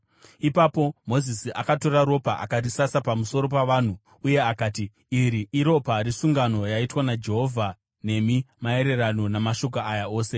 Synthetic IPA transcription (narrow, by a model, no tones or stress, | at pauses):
ipapo̞mo̞zisiʔa̰kato̞ɾaɾo̞paʔa̰karisasapamuso̞ɾo̞paʋaːn̤u | uje̞akaːti | iɾiʔiɾo̞paɾisuŋɡano̞jaitwanad͡ʒe̞ɦo̞vʱa | ne̞mimae̞ɾe̞rano̞namaʃo̞k̬aʔajao̞ːse̞